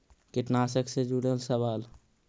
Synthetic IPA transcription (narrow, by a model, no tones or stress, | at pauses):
kɪʈnaːsəksed͡ʒuɽəlsəʋaːl